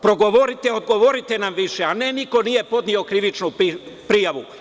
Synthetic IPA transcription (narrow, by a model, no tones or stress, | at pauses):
pɾo̞ɡoʋoɾit̪eod̪̚ɡo̞ʋoɾit̪e̞namʋiʃeane̞niko̞nije̞po̞d̪nio̞kɾiʋit͡ʃnupipɾijaʋu